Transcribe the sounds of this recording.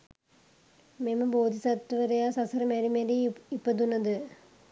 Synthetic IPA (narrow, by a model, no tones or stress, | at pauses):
memɐboːd̪ʱisɐt̪ːʋɐɾɐjasɐsɐɾɐmeɾimeleipːɐd̪unːɐd̪ɨ